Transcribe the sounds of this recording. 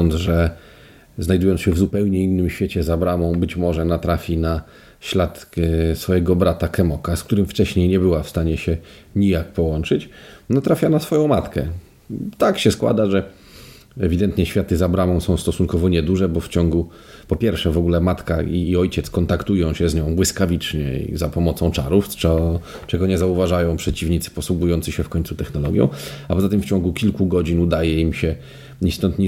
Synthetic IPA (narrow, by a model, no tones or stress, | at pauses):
ɔnd̪zʐɛ | znajd̪ujɔnsɕɛvzupɛwɲɛinːɘmɕfʲet͡ɕɛzabɾamɔ̃w̃bɘt͡ɕmɔʐɛnat̪ɾafʲina | ɕlat̪sfɔjɛɡɔbɾat̪akɛmɔkaskt̪uɾɘmft͡ʂɛɕɲejɲɛbɘwafst̪aɲɛɕɛ | ɲijak̚pɔwɔnt͡ʂɘt͡ɕnat̪ɾafʲjanasfɔjɔ̃w̃mat̪kɛ | t̪akɕɛskwa̰d̪aʐɛ | ɛvʲid̪ɛnt̪ɲɛɕfʲjat̪ɘzabɾamɔ̃w̃sɔ̃w̃st̪ɔsunkɔvɔɲɛd̪uʐɛbɔft͡ɕɔŋɡu | pɔpʲjɛɾfʂɛvɔɡulɛmat̪kaiːɔjt͡ɕɛt̪skɔnt̪akt̪ujɔ̃w̃ɕɛzɲɔ̃w̃bwɘskavʲit͡ʂɲɛ̰ḭzapɔmɔt̪sɔ̃w̃t͡ʂaɾufɛ | t͡ʂɛɡɔɲɛzauvaʐajɔ̃w̃pʂɛt͡ɕivɲit̪sɘ̥pɔswuɡujɔnt̪sɘɕɛfkɔɲʲt̪sut̪ɛxnɔlɔɡʲjɔ̰̃w̃apɔzat̪ɘmft͡ɕɔ̃ŋɡukʲilkuɡɔd͡ʑinud̪ajɛimɕɛ | ɲist̪ɔnt̪ɲ